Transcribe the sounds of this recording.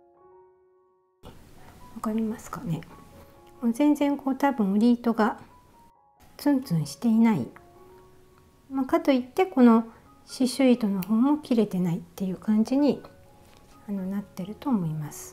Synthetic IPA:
βakaɾʲimasɨ̥kane̞ | zẽ̞nd͡zẽ̞ŋkʰo̞ːt̪abɯ̟̃ɰɾʲiːt̪o̞ɡa | t͡sɨ̃nt͡sɨ̃ɰ̃ɕi̥t̪e̞inaḭ | makat̪o̞it̪ːe̞ko̞no̞ | ɕiɕɨit̪o̞no̞ho̞ːmo̞kʲiɾe̞t̪e̞nait̪ːe̞jɯ̟ːkãɲ̟d͡ʑiɲ̟i | ano̞nat̪ːe̞ɾɯ̟t̪o̞ːmo̞imasɨ̥

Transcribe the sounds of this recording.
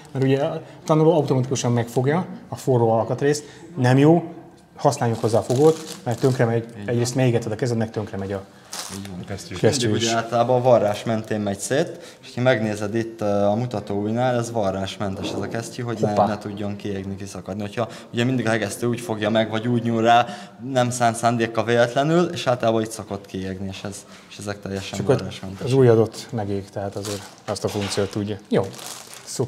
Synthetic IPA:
mɛɾuɟɛ | t̪ɒnuloːɒut̪o̞mɒt̪ikuʃɒmmɛkfo̞ɡjɒɒforːoːɒlkɒt̪reːst̪ | nɛmjoː | hɒsnaːljukho̞zːaːfoɡoːt̪mɛrt̪ːø̞ŋkrɛmɛɟɛɟɾreːst̪mɛjiɡɛt̪ʋɛd̪ɒkɛzɛd̪nɛk̚t̪ø̞ŋkrɛmɛɟɒ | kɛsyaːlt̪ɒlaːbɒvɒrːaːʃmɛnt̪eːmmɛcseːt̪ | eʃo̥cʰɒmɛɡneːzɛd̪it̪ːɒmut̪ɒt̪oːuːjnaːlɛzvɒrːaːʃmɛnt̪ɛʃɛzɒkɛscyɦo̞ɟnɛnɛt̪uɟːo̞ŋkieːɡnikisɒkɒd̪nihocʰhɒ | uɟɛmind̪iɡɒɦɛɡɛst̪øːuːcfo̞ɡjɒmɛɡvɒɟuːɟɲuːrːaːnɛmsaːnsaːnd̪eːkːɒveːlɛt̪lɛnyleːʃaːlt̪ɒlaːbɒit̪sɒko̞t̪kieːɡnieːʃɛz | eʃɛzɛk̚t̪ɛjːɛʃɛrraːʃkɒnzuːjɒd̪o̞t̪mɛɡeːɡt̪ɛɦaːt̪ɒzeːɾ | ɛst̪ɒfuŋkt̪sijoːt̪ːuɟːɒjoːso

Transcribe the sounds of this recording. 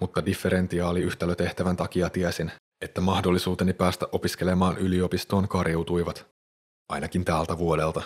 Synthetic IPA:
mut̪ːɑdifːe̞ɾe̞nt̪iɑːliyht̪ælːøt̪e̞ht̪æʋænt̪ɑk̟iɑt̪iɛsin | e̞t̪ːæmɑhdo̞lːisuːt̪e̞nipæːst̪æʔo̞pisk̟e̞le̞mɑːnʔylio̞pist̪o̞ːŋkɑɾjewt̪ujʋɑt̪ | ʔɑjnɑkint̪æːlt̪æʋuo̞de̞lt̪ɑ

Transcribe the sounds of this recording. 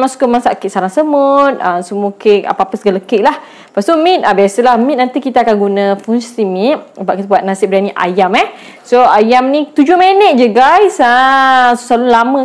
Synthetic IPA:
masu̥kəmasaʔkeʔsalaŋsəmut̪̚əsəmuəkeka̰papəsəɡaləkeʔ̚lah | past̪umĩt̪̚abiasəlahmĩt̪̚nant̪ikit̪aːkanɡunə̃funst̪imit̪̚ubaʔkit̪abuat̪̚nasɪp̚bɾaniʔa̰jamɛh | soajamnit̪ud͡ʒʊhmenət̪̚d͡ʒəɡajsəsu̥salunlamə̃

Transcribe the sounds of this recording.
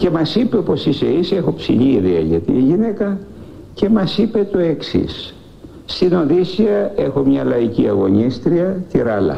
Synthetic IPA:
ce̞mɐsipeopo̞siseisiexo̞psḭʎiːðeɐ̰ʝɐt̪ḭːʝine̞kɐ | ce̞mɐsipe̞t̪o̞e̞ksḭsː | t̪ino̞ðisiɐe̞xo̞mɲɐlɐiciɐɣo̞ɲist̪ɾiɐt̪iɾɐlɐ̰

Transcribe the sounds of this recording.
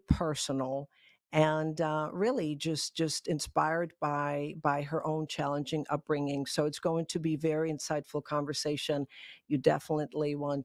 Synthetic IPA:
pʰɜ˞sən̩l̩ˠ | ɨ̃nɹɪlˠid͡ʒʌsd̥ʒ̥ʌstɨ̃nspaɪə˞d̚baɪbaɪə˞ʔõʊ̃nt͡ʃʰælˠə̃nd͡ʒɪ̃ŋʔʌ̰p̚b̥ɹɪ̃ŋɪ̃ŋsoʊɨtsɡ̥oʊɪ̃ŋtʰɨbivɛɹiɨ̃nsaɪdfl̩ˠkʰɑ̃ɱvə˞seɪʃɨ̃njɨdɛ̰fənɨtˡliwɑ̃n

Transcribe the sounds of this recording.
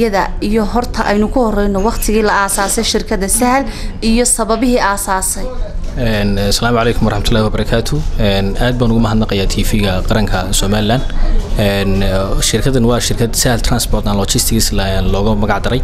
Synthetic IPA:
ɐðɐijɔɦɔrt̪ʰɐʔɛjnʊkʰʊhɔrɛjnɔwɑqt̪ʰɪɣiːlɐaːsaːsɛjʃɪrkʰɐðɐsɐɦlijɔsɐβɐβɪɦiːʔaːsaːsɛjɛnsɐlaːmʊʕɑlɛjkʰʊmwɔɾˤɑħmɐt̪ʰʊlːaːhiwɐbɐɾɑkʰaːt̪ʰʊɛnaːd̪̚baːnʊɣʊmɐɦɐd̪nɐqɑjaːt̪ʰiːfiːɣɐqɑɾɐŋkʰɐsɔːmaːlɪland̪ɛnʃɪrkʰɐðɐnwɑːʃɪrkʰɐd̪sɐhlt̪ʰraːnsbɔːrt̪anlɔt͡ʃɪst̪ʰɪɣislːnlɔːɣɐmɐɣɑʕd̪ɐɾɛj

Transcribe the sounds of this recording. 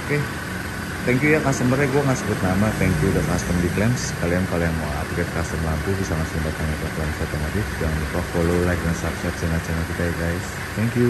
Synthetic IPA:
oke | t̪ɛŋkjujakast̪əməɾɛɡuɛŋasəbʊt̪̚namat̪ɛŋkjudəkast̪əmliklɛmskalianpaliaŋmaa̰t̪ɡɛt̪̚kast̪əmlant̪ubisaŋast̪əmbat̪anakaklɛmsat̪omat̪ɪfd͡ʒaŋanipafololajk̚dansapsɛt̪̚t͡ʃanat͡ʃanakit̪ajɛɡajs | t̪ɛŋkju

